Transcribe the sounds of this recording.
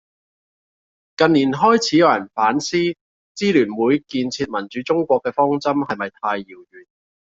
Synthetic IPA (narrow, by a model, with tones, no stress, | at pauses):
kɐ˨nːiː˨˩nɦɔː˥jt͡sʰiː˨˥jɐ˨˧wjɐ˨˩nfaː˨˥nsiː˥ | t͡siː˥lyː˨˩nwuː˨˥jkiː˧nt͡sʰiː˧t̚mɐ˨˩nt͡ʃy˨˥t͡sʊ˥ŋkʷɔː˧kːɛː˧fɔː˥ŋt͡sɐ˥mhɐ˨jmɐ˨jt̪ʰaː˧jːiː˨˩wjyː˨˩n